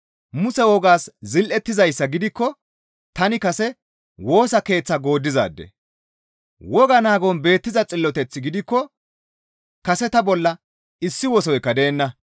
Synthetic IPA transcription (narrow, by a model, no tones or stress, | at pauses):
mʊsɛwɔɡaːszɪlʔɛt̪ːɪzɐjsːɐɡɪd̪ɪkːɔ | t̪ɐnɪkɐsɛ | wo̞ːsɐke̞ːt͡sːɐɡo̞ːd̪ːɪza̰ːd̪ːɛ̰ | wɔɡɐnaːɡɔnbe̞ːt̪ːɪzɐt͡sʼɪlːɔt̪ɛt͡sːɪɡɪd̪ɪkːɔ | kɐsɛt̪ɐbɔlːɐ | ɪsːɪwɔs̬ɔjkːɐd̪e̞ːnːɐ